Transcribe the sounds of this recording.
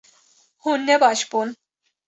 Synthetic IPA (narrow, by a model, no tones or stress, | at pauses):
hunːɛbɑʃb̥un